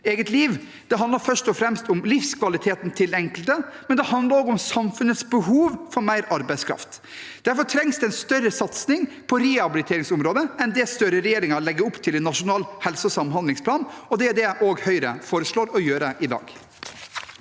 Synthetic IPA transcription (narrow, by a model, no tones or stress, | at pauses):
eːɡət̪liːʋ | d̪̥ɛɦɑnd̪ɑɾfœʂtɔfɾɛmst̪ʊmlɪfskʰʋɑlɪt̪ʰeːt̪n̩t̪ʰɪlɛŋkəlt̪əmɛnd̪ɛhɑnd̪lɑɾɔːɡʊmsɑmfʉnət̪sbəhuːʋfɔɾmæɪɾɑɾbæɪskʰɾɑ̰ft̪ | d̪̥æɾfɔɾʈʰɾɛŋsd̪ɛɛnst̪œɾəsɑt̪snɪŋ | pʰɔɾɛɑbɪlɪt̪ʰeːɾɪŋsʊmɾoːd̪əɛnd̪ɛst̪œɾəɾɛjeːɾɪŋəɾlɛɡːəɾʊpt̪ʰɪlɛnːɑʂʊnɑːlhɛlsɔsɑmɦɑnd̪lɪŋspʰlɑːnɔd̪ɛæɖɛʔoːɡhœʏɾə̰foːɾəʂɭoːɾɔjøːɾəʔɪd̪ɑ̰ːɡ